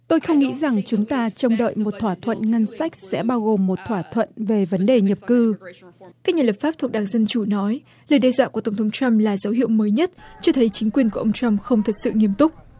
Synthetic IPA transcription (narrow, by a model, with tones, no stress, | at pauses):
t̪o˧jxə˧wŋ͡mŋḭ˧˥za˨˩ŋt͡ɕʊ˨˦ŋ͡mt̪aː˧t͡ɕə˧wŋ͡mɗə̰ː˧˨jmo˨˩t̚t̪ʰwaː˧˩t̪ʰwə̰˧˨nŋə˧nsa˦˥jk̟̚sɛ̰˧˥ɓaː˧wɣo˨˩mːo˨˩t̚t̪ʰwaː˧˩t̪ʰwə̰˧˨nve˨˩və˨˦nɗe˨˩ɲə˨˩p̚kɨ˧kaː˦˥k̚ɲaː˨˩lə˨˩pfaː˦˥p̚t̪ʰu˨˩k̚ɗaː˨˩ŋzə˧nt͡ɕu˧˩nɔ˨˦j | ləː˨˩jɗɛ˧zwa̰ː˧˨ku˧˩ət̪ə˧˩ŋ͡mt̪ʰŋ͡mt͡ɕa˧mlaː˨˩zə˨˦wɦḭ˧˨əwməː˨˦jɲə˦˥t̚t͡ɕɔ˧t̪ʰə˨˦jt͡ɕï˨˦ŋ̟kwi˨˩ənku˧˩ʔə˧ŋ͡mt͡ɕa˧mxə˧wŋ͡mt̪ʰə˨˩t̚sɨ̰˧˨ŋi˧˩əmt̪ʊ˦˥k͡p̚